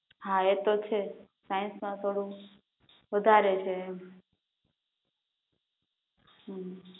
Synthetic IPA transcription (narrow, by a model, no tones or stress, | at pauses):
ɦãet̪ot͡ʃʰe | sajnsmãt̪ʰoɽũ | ʋəd̪ʱaɾet͡ʃʰe | ɦ